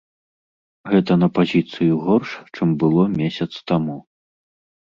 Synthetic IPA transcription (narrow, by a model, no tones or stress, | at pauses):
ɣɛt̪ɐnɐpazʲit̪sɨjuɣɔrʂt͡ʂɨmbɨlˠɔmʲesʲɐt̪st̪amu